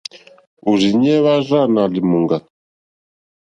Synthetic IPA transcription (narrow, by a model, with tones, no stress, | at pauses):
u˨zi˨ɲɛ˦βa˦ʒa˦˨na˨li˨mu˨ŋɡa˨